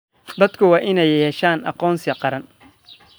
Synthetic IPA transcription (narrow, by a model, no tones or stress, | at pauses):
d̪ɐd̪kʰʊwɑːʔɪnɛjjɛːʃaːnʔɑ̰qɔːnsɪqɑɾɐn